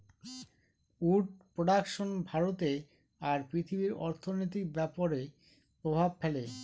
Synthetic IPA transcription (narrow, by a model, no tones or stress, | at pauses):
uʈ̚pɾoɖakʃonbʱaɾot̪e | aɾpɾit̪ʰibiɾɔ̰ɾt̪ʰonojt̪̬ik̚bɛpoɾe | pɾobʱabfɛle